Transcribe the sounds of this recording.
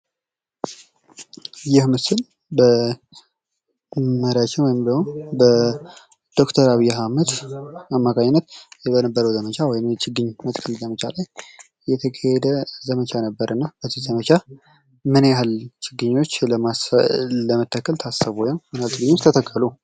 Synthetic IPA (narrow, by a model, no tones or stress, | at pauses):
jɪhmɨsɨl | bə | məɾjat͡ʃːɪnwɔjɪmbləwonbə | d̪̥o̞kt̪ʰəɾaβijaɦaməd̪amːakʰaɲɪnːət̪jɛbənəbːəɾəwzəmət͡ʃʰawɔjɪnt͡ʃɪɡɨɲːmət̪kʰəlzəmət͡ʃʰalaj | jɛt̪ʰəkʰəhɛd̪əzəmət͡ʃʰanəbːəɾʔɨnːab̥ət̪izəmət͡ʃʰa | mɨnjahalt͡ʃɪɡɨɲːo̞t͡ʃːləmasləmət̪ʰːakːəlt̪ʰasəβojawmɨnalt͡ʃɨɡɨɲːot͡ʃt̪ʰət̪ʰəkʼːəlu